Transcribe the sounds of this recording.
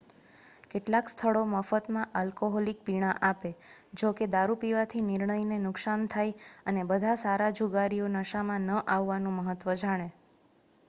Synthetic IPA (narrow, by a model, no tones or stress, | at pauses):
keʈlakst̪ʰəɭoməfət̪mãʔəlkoɦɔlik̚piɳ̃aʔaped͡ʒoked̪aɾupiʋat̪ʰinɪɾɳəinenʊksant̪ʰajənebəd̪ʱasaɾad͡ʒʱuɡaɾionəʃamãnəʔaʋːanũməɦət̪ʋəd͡ʒaɽ̃e